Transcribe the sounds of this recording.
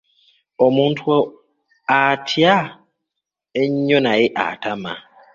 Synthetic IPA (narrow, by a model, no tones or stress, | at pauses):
ɔmũn̩tʰwɔ | atʰia | eɲɲonãjɪʔa̰tʰamã̰